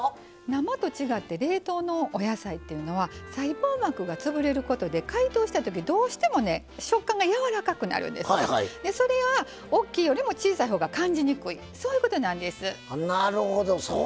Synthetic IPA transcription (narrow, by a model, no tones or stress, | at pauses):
namat̪o̞t͡ɕiɡat̪ːe̞ɾe̞ːt̪o̞ːno̞ʔːjasait̪ːe̞jɯ̟no̞βasaiboːmakɯ̟ɡat͡sɨbɯ̟ɾe̞ɾɯ̟ko̞t̪o̞d̪e̞kait̪o̞ːɕi̥t̪at̪o̞k̬ʲid̪o̞ːɕi̥t̪e̞mo̞ne̞ | ɕo̞kːãŋɡajaβaɾakakɯ̟na̰ɾɯ̟̰̃nd̪eshad̪e̞so̞ɾe̞βa | okʲːiːjo̞ɾʲimo̞t͡ɕiːsaiɦo̞ːɡakãɲ̟d͡ʑiɲ̟ikɯ̟i | so̞ːjiɯ̟ko̞t̪o̞nãnd̪e̞sɨnaɾɯhod̪oso